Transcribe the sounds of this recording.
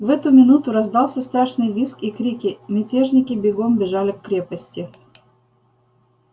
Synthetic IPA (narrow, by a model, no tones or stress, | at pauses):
vɛt̪ʊmʲɪnut̪ʊɾɐzd̪ɑlˠsʲəst̪ɾaʂnɨjvʲiskikɾʲikʲɪmʲɪtʲeʐnʲɪkʲɪbʲɪɡombʲɪʐalʲɪkːɾʲepəsʲtʲɪ